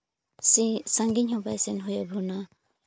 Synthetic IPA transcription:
sisaŋɡiɲhɔbajsenɦɔjabʱuna

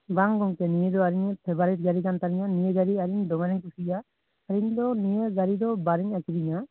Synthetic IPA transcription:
baŋɡɔŋkɛnijed̪ɔaɾiɲpʰɛbaɾiʈ̚ɡaɾikant̪aɾiɲanijeɡaɾiaɾiɲd̪ɔmaɾɛŋkusijaː | ɾiɲd̪ɔnijeɡaɾid̪ɔbaɾiɲakiɾiɲa

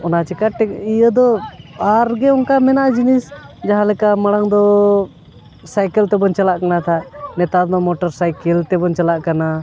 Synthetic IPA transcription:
ɔnat͡ʃɛkaʈɛijəd̪ɔaɾɡɛɔnkamɛnaʔd͡ʒinisd͡ʒaɦãlɛkaməɽaŋd̪ɔ | sajkɛlt̪ɛbɔnt͡ʃalaʔkanat̪ʰaʔnɛt̪anɔmɔʈɔɾsajkɛlt̪ɛbɔnt͡ʃalaʔkana

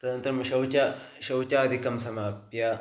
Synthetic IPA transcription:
t̪ɐd̪ɐnt̪ɐɾɐmʃɐwt͡ʃa | ʃɐwt͡ʃaːɐd̪ʱikɐmsɐmaːpja

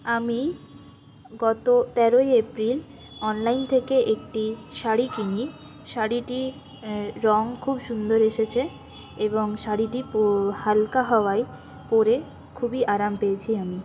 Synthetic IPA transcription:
ami | ɡɔt̪ot̪ɛɾojepɾil | ɔnlajnt̪ʰekeʔek̚ʈiʃaɽikini | ʃaɽiʈi | ɾɔŋkʰubʃund̪oɾeʃet͡ɕʰe | eboŋʃaɽiʈiphalkaɦɔoaj | poɾe | kʰubiʔaɾampeet͡ɕʰiami

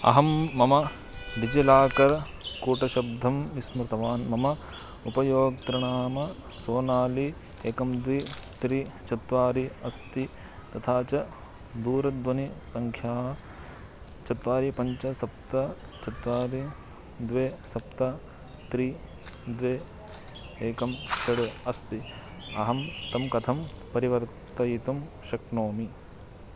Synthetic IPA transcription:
ɐ̰ɦɐmːɐmɐ | ɖid͡ʒelaːkɐɾ | kuːʈɐʃɐb̚d̪ʱɐmismɾt̪ɐʋaːnmɐmɐ | upɐjoːɡ̚t̪ɾɐɳaːmɐ | soːnaːli | eːkɐmd̪ʋit̪ɾit͡ʃɐt̪ʋaːɾiɐst̪i | t̪ɐt̪ʰaːt͡ʃɐ | d̪uːɾɐd̪ʋɐnisɐŋkʰjaːɐ | t͡ʃɐt̪ʋaːɾipɐɲt͡ʃɐsɐpt̪ɐ | t͡ʃɐt̪ʋaːɾi | d̪ʋeːsɐp̚t̪ɐ | t̪ɾi | d̪ʋeː | eːkɐmt͡ʃɐɽɐɐst̪i | ɐɦɐmt̪ɐmkɐt̪ʰɐmpɐɾiʋɐɾt̪ɐjit̪umʃɐknoːmi

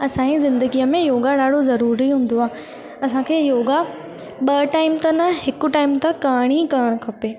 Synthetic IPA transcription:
ɐsãːĩzɪ̃nd̪əɡijəmẽjoːɡaɗaːɖʱozɐɾuːɾiɦũːn̆d̪oaːɦ | ɐsãkʰeːjoːɡa | ɓɐʈaːɪmt̪ɐnɐhɪkʊ̆ʈaːɪmt̪ɐkaːɽ̃ikaːəɽ̃̆kʰɐpeː

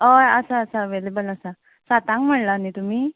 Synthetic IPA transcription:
əəsaəsaəʋelebələsa | sat̪ãŋkm̤əɽlanit̪umiː

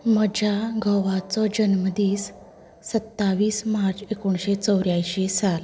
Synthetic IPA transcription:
məd͡ʑʱjaɡʱəʋat͡sɔd͡ʑənməd̪iːsː | ət̪ːaʋiːsmaɾt͡ɕekuɳɕet͡səwɾjajɕesal

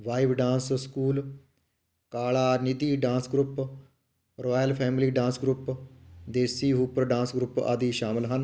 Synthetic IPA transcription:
ʋaːiʋɖãːnsskuːl | kaːlaːnɪd̪iːɖãːsɡɾʊp | ɾoːjəlpʰɛːmliːɖãːnsɡɾʊpd̪eːsiːɦuːpəɾɖãːnsɡɾʊpa̰ːd̪iːʃaːmɪlɦən

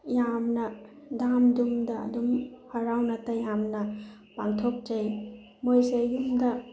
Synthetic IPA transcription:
jamnɐ | damdumdɐ̰ːdumhɐɾawnɐtɐjamnɐ | paŋtʰok̚d͡ʒej | mojsedumdɐ

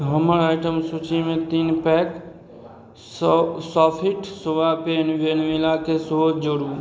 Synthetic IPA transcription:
ɦəməɾaɪʈəmsut͡ʃimẽt̪inpɛk | sɔpʰiʈʰsoʋapenʋenʋilakesod͡ʒoɽu

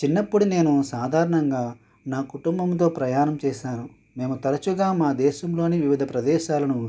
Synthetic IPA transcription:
t͡ʃinːɐpːuɽune̞ːnusaːd̪ʱaːɾɐɳɐŋɡaː | naːkuʈumbɐmt̪o̞ːpɾɐjaːnɐmt͡ʃɛːʃaːnu | me̞ːmut̪ɐɾɐt͡ʃuɡaːmaːd̪ɛːʃɐmlo̞ːniʋiʋid̪ʱɐpɾɐd̪ɛːʃaːlɐnu

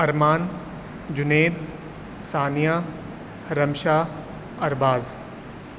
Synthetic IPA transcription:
ɐɾmaːn | d͡ʑʊneːd̪ | saːnijaː | ɾɐmʃaː | ɐɾbaːz

